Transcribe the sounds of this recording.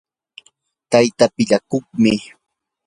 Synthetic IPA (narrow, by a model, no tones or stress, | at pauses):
t̪ajt̪apɪʎakʊχmɪ